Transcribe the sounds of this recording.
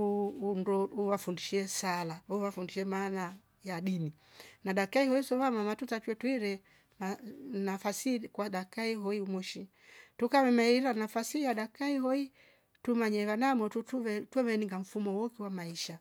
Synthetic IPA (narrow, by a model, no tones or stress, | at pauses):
uundɔuwafundiʃiɛsalawafundiʃɛmaːna | jaɗini | naɗakaihɔisɔvamamatutatwɛtwiɾɛ | manafasikwaɗakaiɦɔiumɔʃi | tukavɛmaiɾiɾanafasijaɗakaihɔi | tumaɲɛβanamɔtutuvɛtwɛmɛniŋɡam̩fumɔwɔkiwamaiʃa